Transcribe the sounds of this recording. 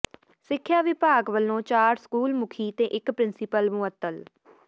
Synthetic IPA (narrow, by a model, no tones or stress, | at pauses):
sɪkʰːjaːʋɪpaːɡʋəlːõːt͡ʃaːɾskuːlmʊkʰiːt̪eːʔɪkpɾɪnsɪpəlmʊət̪ːəl